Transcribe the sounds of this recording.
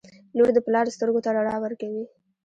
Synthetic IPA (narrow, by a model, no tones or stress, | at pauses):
noɾd̪əplɑɾst̪əɾɡot̪aɽaɽɑwəɾkawi